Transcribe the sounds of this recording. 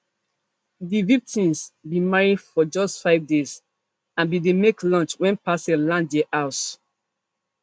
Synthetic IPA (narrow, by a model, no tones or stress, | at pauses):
ðivik̚tĩmsbimaɹidfɔd͡ʒɔstfaɪvdes | ãnbidemeklɔ̃nt͡ʃwɛ̃npasɛlãndeʔaʊt